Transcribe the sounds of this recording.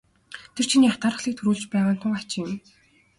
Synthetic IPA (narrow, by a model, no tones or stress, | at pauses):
t̪ʰer̥t͡ɕʰiniːat̪aːɾə̆χɮiːk̚t̪ʰɵɾuːɮt͡ɕpæːʁaːn̥t̪ʰʊŋat͡ɕɪ̆jʊm